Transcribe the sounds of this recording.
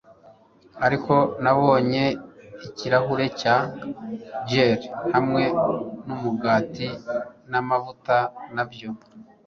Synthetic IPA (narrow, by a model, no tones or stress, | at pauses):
aɾiko̞naβo̞ːɲe̞iciɾaɦuɾe̞ca | d͡ʒeɾhamŋe̞numuɡaːtinamavutanabjo̞